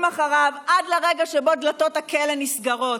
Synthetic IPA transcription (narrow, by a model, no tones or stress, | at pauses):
maχaʁavad̪leʁeɡaʃeboad̪lat̪o̞t̪hakelenisɡaʁo̞t